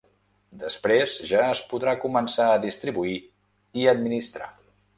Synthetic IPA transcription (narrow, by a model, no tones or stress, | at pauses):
d̪əspɾezʒaəspuðɾakumənsaəðist̪ɾiβui | iəd̪minist̪ɾa̰